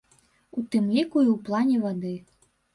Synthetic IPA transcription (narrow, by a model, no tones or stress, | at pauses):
ut̪ɨmlʲikuiwplˠɑnʲɛvɔd̪ɨ